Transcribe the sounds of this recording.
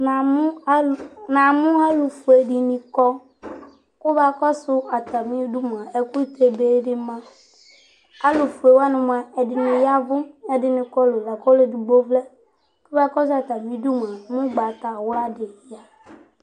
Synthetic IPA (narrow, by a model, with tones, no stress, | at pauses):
na˨˦nã˨mũ˦a˦lu˨fu˨e˨ɖi˨nĩ˨kɔ˦ | ku˦ba˦˨kɔ˦sʊ˦a˨t̪a˨mĩ˦du˦m˨ã˨e˨ku˦t̪e˦be˦ɖe˦mã˦ | a˦lu˨fu˨e˨wa˦nʊ̃˨mã˨e˨dɪ˨nʊ̃˨ja˦vʊ˦me˦dɪ˨nĩ˨kɔ˦lo˨la˨kɔ˦le˦˨du˨ɡ͡bo˦vle˦ | ku˦ba˦kɔ˦s̬a˨t̪a˨mĩ˦ɖu˦m˨ã˨mũ˦ɡ͡ba˨t̪a˨wla˦ɖɪ˨˦ja˨